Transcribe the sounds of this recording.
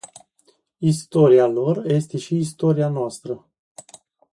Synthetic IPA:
ist̪o̞ɾialo̞rje̞st̪e̞ʃiːst̪o̞ɾianoast̪ɾə

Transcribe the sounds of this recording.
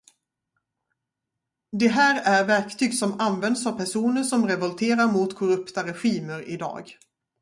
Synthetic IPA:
d̪ɛɦæːɾæɾvæɾkt̪ʰyːɡsɔmanvɛnd̪savpʰæʂuːnəʂɔmɾɛvɔlt̪ʰeːɾaɾmʊt̪kʰɔɾɵpt̪aɾɛɧiːməɾɪ̰d̪ɑ̰ːɡ

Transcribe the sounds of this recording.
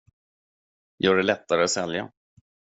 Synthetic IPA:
jʔœːɖɛlɛt̪ːaɾəat̪sɛlja̰

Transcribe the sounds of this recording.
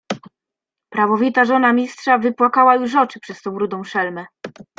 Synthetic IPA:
pɾavɔvʲit̪aʐɔn̪amʲistʂavɘpwakawajuʂɔt͡ʂɘpʂɛst̪ɔ̃w̃ɾud̪ɔ̃w̃ʂɛlmɛ

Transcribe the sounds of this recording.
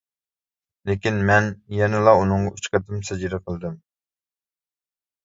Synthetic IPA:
lekʲinmɛnjɛnɪlˠɑunɨŋʁɑyt͡ʃqət̪ʰɪmsɛd͡ʒɾɨqʰəlˠd̪ɨm

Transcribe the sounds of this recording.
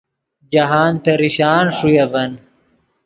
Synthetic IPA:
d͡ʑɐɦaːnt̪eɾiɕaːnʂujɐbɐn

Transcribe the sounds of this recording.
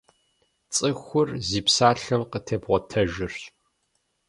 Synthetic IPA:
t͡sʼɨxʷʊrziːpsaːɬɐmqətʰɐbʁʷɔtʰɐʒɪrɕ

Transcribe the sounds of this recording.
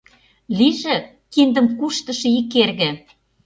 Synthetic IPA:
liʒĕ | kind̪ə̆mkuʃt̪ə̆ʃɤ̆ikːerɣĕ

